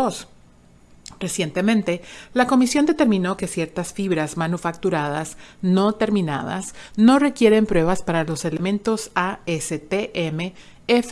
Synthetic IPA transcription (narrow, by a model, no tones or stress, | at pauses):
os | re̞sje̞nt̪emẽ̞nt̪e̞lako̞misjo̞nd̪e̞t̪e̞ɾmĩno̞ke̞sje̞ɾt̪asfiβɾazmanufak̚t̪uɾað̞asno̞t̪e̞ɾmĩna̰ða̰sno̞re̞kje̞ɾe̞mpɾwe̞β̞aspaɾalo̞se̞lemẽ̞nt̪o̞saeset̪eʔeme | ef